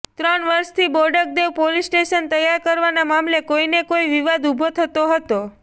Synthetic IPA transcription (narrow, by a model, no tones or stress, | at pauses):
t̪ɾənʋəɾʃt̪ʰiboɾɖək̚d̪eʋpolisʈeʃənt̪əjːaɾkəɾʋanamamlekoinekoiʋiʋad̪ubʱot̪ʰət̪oɦət̪o